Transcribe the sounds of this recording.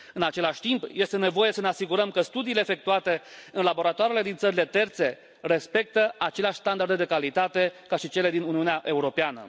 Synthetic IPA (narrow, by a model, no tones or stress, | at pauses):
ɨnat͡ʃe̞laʃʲt̪impje̞st̪e̞ne̞vo̞je̞səne̞asiɡuɾəmkəst̪ud̪iːleːfe̞k̚t̪uat̪e̞ɨnlabo̞ɾat̪oaɾele̞d̪int̪səɾile̞t̪e̞rt̪se̞ | re̞spe̞k̚t̪əat͡ʃe̞leaʃʲst̪and̪ard̪ed̪e̞kalit̪at̪e̞kaʃit͡ʃe̞le̞d̪inuniuneaʔe̞uɾo̞peanə̰